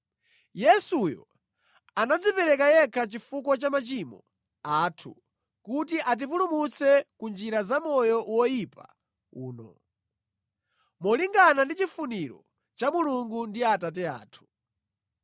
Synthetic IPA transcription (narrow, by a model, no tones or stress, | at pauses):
jɛsujɔ̰ | anad͡zipɛɾɛkajɛkʰat͡ʃifukɔt͡ʃamat͡ʃimɔ | atʰṵ | kut̬iʔat̬ip̬ulumut͡sʰɛkund͡ʒiɾazamɔjɔʔwɔjipa̰ | ṵːnɔ̰ | mɔliŋɡanandit͡ʃifuniɾɔ̰ | t͡ʃamuluŋɡundiatat̬ɛa̰ːtʰu̥